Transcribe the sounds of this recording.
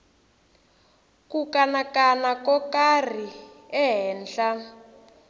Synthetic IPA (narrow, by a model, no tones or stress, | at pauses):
kukanakanakɔkar̤i | ɛɦɛːnd͡ɮa